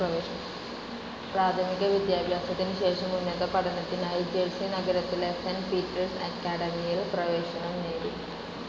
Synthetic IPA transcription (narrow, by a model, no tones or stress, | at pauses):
ɐʋeː | praːt̪ʰɐmiɣɐʋjɐd̪jaːbʱjaːsɐt̪ːinɨɕe̞ːʂɐmːunːɐðɐpɐɽɐnːɐt̪ːinaːjid͡ʑeɻsinɐɡɐɾɐt̪ːilesɐnpiːtːɐrsɐkːaːɽɐmijiɭprɐʋe̞ːɕɐɳɐmneːɽḭ